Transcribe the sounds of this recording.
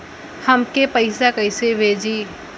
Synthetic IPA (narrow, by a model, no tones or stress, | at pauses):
həmkepəɪsakəɪseʋed͡ʒiː